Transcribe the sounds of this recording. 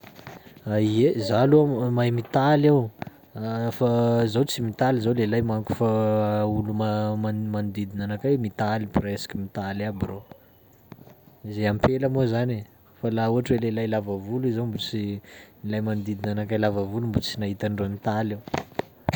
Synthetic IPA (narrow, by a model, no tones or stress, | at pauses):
aiezaluamajmit̪alaw | fazawt͡simit̪alizawlelajmaŋku̥faulumamamand̪id̪inanakamit̪alipresi̥kimit̪alabiro | izejampelamozane | falauaʈ͡ʂwelelajlavavulizowmbut͡sinilajmand̪id̪inanakajlavavulumbut͡sinaɦit̪aɳɖ͡ʐonit̪alew